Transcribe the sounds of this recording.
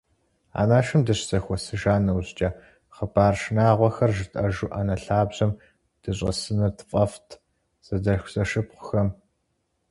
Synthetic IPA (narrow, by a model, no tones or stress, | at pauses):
a̰ːnaːʃɨmdɨɕzɐxʷɔsɨʒaːnɐwzt͡ʃʼɐ | χəbaːrʃnaːʁʷɐxɐrʒɨtʼɐʒuʔaːnɐɬaːbʑ̥ɐm | d̥ɨɕʷʼɐsɨnɐrtʰfʼɐftʰ | z̥ɐdɐxʷzɐʃɨpχʷʊxɐm